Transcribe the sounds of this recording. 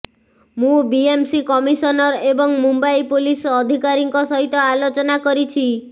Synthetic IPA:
mũbiemsikɔmisɔnɔɾebɔŋmumbaipulisɔd̪ʱikaɾiŋkɔsɔɦit̪ɔalot͡ʃɔnakɔɾit͡ʃʰi

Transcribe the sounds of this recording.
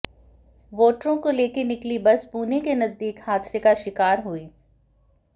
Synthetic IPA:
ʋoːʈɾõkoleːkenɪklibɐspuːnekenɐzd̪iːkhaːd̪sekaʃɪkaːɾɦuiː

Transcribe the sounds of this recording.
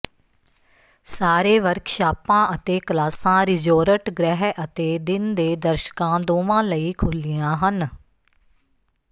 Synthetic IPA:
saːɾeːʋəɾkʰʃaːpãːʔət̪eːkəlaːsãːɾɪd͡ʒoːɾəʈɡɾɛɦʔət̪eːd̪ɪnd̪eːd̪əɾʃə̥kãːd̪oːʋãːləiːkʰʊlɪjãːɦən

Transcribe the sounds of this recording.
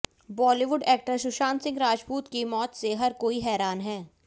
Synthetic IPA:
bɔːliʋʊɖɛːk̚ʈəɾʃʊʃaːnsɪ̃ŋɡɾaːd͡ʒpuːt̪kimɔːt̪seɦɐɾkoːiɦɛːɾaːnɦɛː

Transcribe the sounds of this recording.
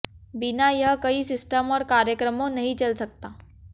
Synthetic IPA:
binajəɦkəiːsisʈəmɔːɾkaɾjəkɾəmonəɦit͡ɕəlsək̚t̪a

